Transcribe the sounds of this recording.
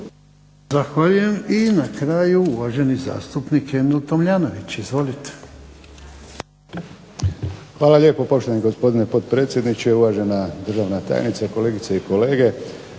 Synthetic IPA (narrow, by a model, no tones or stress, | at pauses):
zaxʋaʎuje̞minakɾaːjuuʋaʒe̞niza̰ːst̪upnike̞milt̪o̞mʎaːno̞ʋit͡ɕizʋo̞lit̪e̥ | xʋaːlalʎje̞ːpo̞po̞ʃt̪oaniɡo̞spo̞d̪ine̞po̞t̪pɾeːt̪sjed̪nit͡ʃeuʋaʒe̞nad̪r̩ʒaʋnat̪a̰ːj̰nit̪sako̞le̞ːɡit̪seiko̞le̞ːɡe̞